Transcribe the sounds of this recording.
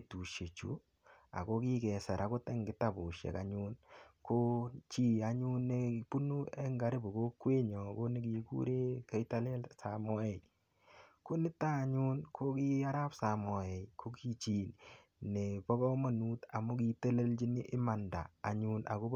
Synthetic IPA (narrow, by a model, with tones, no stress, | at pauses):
tu˨ʃe˨t͡ʃṵ˨ | a̰˨ko˦ki˦kɛ˨sɛ˨ɾʔa˨kʊ˦tɛ˦ŋɡɪ˨ta˦˨bʊ˨ʃɛ̰˨ka˨ɲʊnko˦t͡ʃi˦˨a˨ɲu˦nːe˦pu˦nu˦ɛ˦ŋɡa˨ɾɪ˦bo˨ko˦kwe˦ɲɔ˨ko˦nɪ˦ki˨kṵ˦ɾe˦kɛ˨˦i˦ta˦lɛ˦lsa˨mɔ˦ɛ˨j | ko˦nɪ˦taː˦˨ɲu˦nkʰo˦ki˦a˦ɾa˦psa˨mɔ˨ɛ˨jkʰo˦ki˦t͡ʃi˨n | nɪ˨pɔ˦kɔ˦ma˨nu˦ta˨mʊ˦k̬i˦te˦le˦lt͡ʃi˦nɪ˦ʔɪ˦ma˨nda̰ː˨ɲu˦na̰˨ko˦